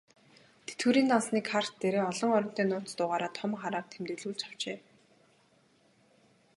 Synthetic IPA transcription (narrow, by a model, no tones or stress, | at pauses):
t̪ʰe̥t̪ɡŭːɾiːnt̪ɔnsniːkʰar̥t̪ːeɾeːɔɮɞ̆ŋɔɾɞ̆n̥t̪eːnʊːt͡s̪t̪ʊːʁaːɾaːt̪ʰɔmχaɾaːrt̪ʰemt̪ɵɮuːɮt͡ɕʰḁw̥t͡ɕeː